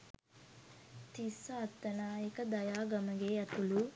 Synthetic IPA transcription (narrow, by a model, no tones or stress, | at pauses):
t̪isɐːt̪ːɐnaːekəd̪ɐjaːɡɐməɡeːɐt̪ulu